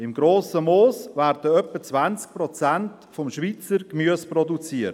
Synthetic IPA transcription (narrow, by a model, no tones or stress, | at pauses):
ɪmɡɾoːsəmoːsvæːɾd̥əœpːət͡sʋant͡sk̚prɔt͡sænt | fɔmʃʋiːt͡səɾkmyəsprɔdut͡siːət